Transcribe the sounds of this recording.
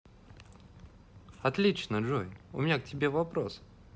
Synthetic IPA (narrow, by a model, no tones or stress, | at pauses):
ɐt̪lʲit͡ɕnəʐojʊmʲɪnʲak̚tʲɪbʲe̞vɐpɾos